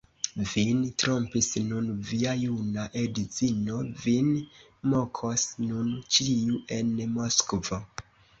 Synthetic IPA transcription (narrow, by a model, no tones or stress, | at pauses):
vintɾo̞mpisnunviajunaʔedit͡sino̞vin | mo̞kʰosnunt͡ʃiuʔe̞nmoskvo